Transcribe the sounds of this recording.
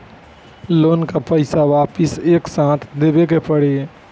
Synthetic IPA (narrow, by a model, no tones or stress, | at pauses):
loːnkapəɪsaʋaːpɪseːksãːt̪ʰd̪eːbekepəɽeː